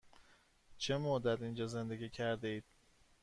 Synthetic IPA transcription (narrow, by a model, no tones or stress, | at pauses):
t͡ʃʰe̞mod̪æd̪ind͡ʒɒːze̞nd̪e̞ɡʲiːcʰæɾd̪eiːd̪̥̚